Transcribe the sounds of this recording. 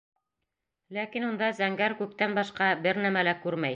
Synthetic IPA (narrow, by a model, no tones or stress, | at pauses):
lækinund̪ɑzæŋɡæɾkʉk̚t̪ænbɑʃqɑbɘɾnæmælækʉɾmæj